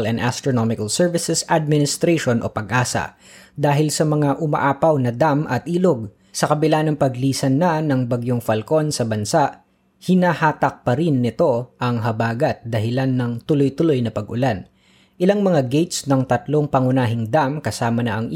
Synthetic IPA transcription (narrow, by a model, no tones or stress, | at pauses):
lɛnd̪ʔa̰st̪ɾonomɪkɐlsɛɹvɪsɛsad̪̚mɪnɪst̪ɾeʃo̞nʔo̞̰pɐɡʔaːsɐ̰ | d̪aːɦɪlsɐmɐŋaʔʊmɐ̰ʔaːpɐwnɐd̪amʔɐt̪̚ʔiːloɡ̚ | sɐkɐbɪlanɐŋpɐɡliːsɐnːɐnɐŋbɐɡjoŋfɐlko̞nsɐbɐnsaʔ | hɪnahaːt̪ɐk̚pɐɾɪnːɪt̪o̞ʔɐŋɦɐbaːɡɐt̪̚d̪ɐhɪlanːɐŋt̪ʊlojt̪ʊlo̞jnɐpɐɡʔʊlan | ʔɪlaŋmɐŋaɡɛjt̪snɐŋt̪ɐt̪lo̞ŋpɐŋʊnaːɦɪŋd̪amkɐsaːmɐnɐʔɐŋ